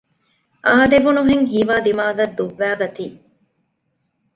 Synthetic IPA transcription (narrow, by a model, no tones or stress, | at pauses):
ʔaːd̪eʋunuɦeŋɦiːʋaːd̪imaːdɐd̪ːuʋːæːɡɐt̪iː